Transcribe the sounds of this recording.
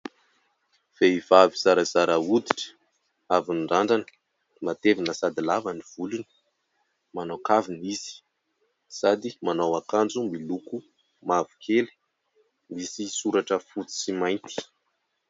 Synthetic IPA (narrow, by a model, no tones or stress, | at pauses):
v̥eiv̥aviz̥aɾəz̥aɾaud̪iʈ͡ʂə̥ | avinɳɖ͡ʐaɳɖ͡ʐanə̥ | mat̪evinəsad̪ilavəniv̥ulunə̥ | manokaviniz̥i̥ | sad̪imanowakand͡zumiluku | mavu̥kʰeli̥ | misisuɾaʈ͡ʂəfut͡si̥simajnt̪i̥